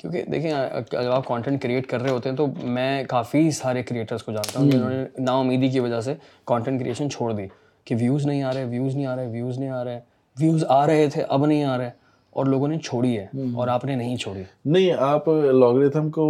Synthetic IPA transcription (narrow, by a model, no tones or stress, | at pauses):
kjõːkḛd̪ḛːkʰiẽɐ̰d͡ʒɐbaːp̚kɔ̃ːɳʈɛ̃ɳʈkɾieːʈkɐɾːəɦeɦoːt̪eɦɛ̃t̪omɛ̃ːkaːfisaːɾekɾieːʈəɾzkod͡ʒaːnt̪aɦũkɪʊnɦõːneenaːʊmːiːd̪ik̬iʋɐd͡ʒas̬e | kɔ̃ːɳʈɛ̃ɳʈkɾḭʔeːʃənt͡ʃʰoːɽd̪iː | kiʋjuːznɐɦĩaːɾɐɦɛʋjuːznəɦĩaːɾɐɦɛʋjuːznɐɦĩaːɾɐɦɛ | ʋjuːzaːɾɐɦet̪ʰeʔɐbnɐɦĩaːɾɦɛ | ɔ̰ːɾloːɡõnet͡ʃʰoːɽiɦɛːɔ̰ːɾaːpnenɐɦĩt͡ʃʰoːɽinɐɦĩaːplɔːɡɾet̪ʰəmko